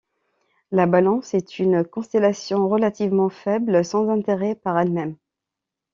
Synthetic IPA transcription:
labalɑ̃sɛt̪ʰynkɔ̃st̪elasjɔ̃ʁəlat̪ivmɑ̃fɛblsɑ̃zɛ̃t̪eʁɛpaʁɛlmɛm

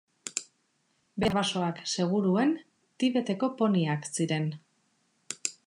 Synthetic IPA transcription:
beβaso̞akse̞ɣ̞uɾue̞n | t̪iβe̞t̪e̞ko̞po̞niaksiɾe̞n

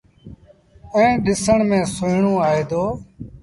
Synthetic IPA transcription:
ẽːɗɪsəɳmẽːsʊɪɳõːaːɦeːd̪oː

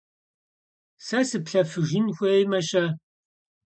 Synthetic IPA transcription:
sɐsɨpɬɐfɨʒɪnxʷeːjmɐʃɐ

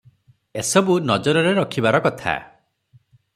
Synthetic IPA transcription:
esɔbunɔd͡ʒɔɾɔɾeɾɔkʰibaɾɔkɔt̪ʰa̰

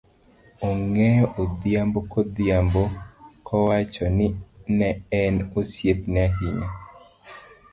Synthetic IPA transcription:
ɔŋɛjɔʔod̪jambokɔd̪jambokɔwat͡ʃɔnɪnɛɛnosjetnɛaɦiɲa

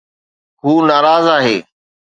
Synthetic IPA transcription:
ɦuːnaːɾaːzaːɦeː

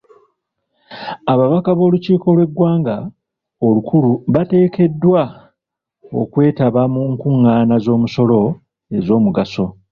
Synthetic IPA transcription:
aβaβakaβo̞ːluciːko̞lwe̞ɡːwaːŋɡa | olukuluβate̞ːke̞dːwa | o̞̰kwe̞ːtaβamuŋkuŋːaːnazo̞ːmuso̞lo̞ | e̞zo̞ːmuɡaso̞

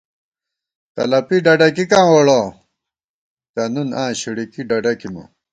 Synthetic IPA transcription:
t̪ɐ̰lɐpiɖɐɖɐkikãːwoɽa | t̪ɐnunãːɕiɽikiɖɐɖɐkimɐ̰

